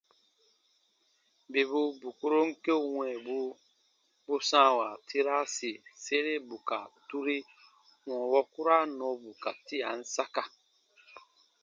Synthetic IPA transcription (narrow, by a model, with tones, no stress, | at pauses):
be˨bu˦bu˨ku˦ɾo˦ŋ̩˦ke˦wɛ̃˨bu˦ | bu˦sã˦wa˨tʰi˦ɾa˦si˨se˦ɾe˦bu˨ka˨tu˦ɾi˦ | wɔ̃˨wɔ˦ku˦ɾa˦nɔ̃˨˦bu˨ka˨ti˦a˨n̩˦sa˦ka˦˨